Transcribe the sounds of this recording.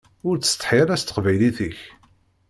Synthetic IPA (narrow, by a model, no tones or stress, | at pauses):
ʊɾt͡sːə̥st̪ˤːħɪɾæst̪ə̥qvæjliθəç